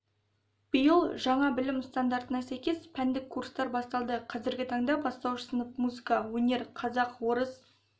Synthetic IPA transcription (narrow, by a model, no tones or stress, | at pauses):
b̥əjəlˠʒɑɴɑbɪlɪmst̪and̪aɾt̪ənɑsæjkʲe̞spʰænd̪ɪkʰːurst̪ɑɾbɑst̪ɑlˠd̪əqʰɑzɪɾɡʲɪt̪ʰɑɴd̪ɑbɑst̪ɑwʃəsənəpmuzɨkɑwɵnʲe̞ɾqʰɑzɑqwo̞ɾəs